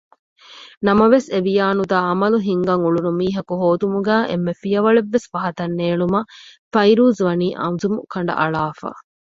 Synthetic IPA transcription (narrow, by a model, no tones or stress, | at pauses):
nɐmɐʋeseʋijaːnud̪aːɐmɐluɦiŋɡɐŋuɭunumiːɦɐkuɦoːd̪umuɡæːʔḛmːefijɐʋɐɭeʋːesʋɐɦɐt̪ɐnːeːɭumɐfɐiɾuːzʋɐniːʔɐ̰nzumukɐɳ̆ɖɐ̰ʔɐɭaːfa̰ː